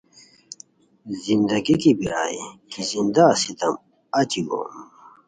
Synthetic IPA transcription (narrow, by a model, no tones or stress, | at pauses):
zind̪ɐɡikibiɾaːikizind̪asit̪ɐm | ɐt͡ɕ̪iɡo̰m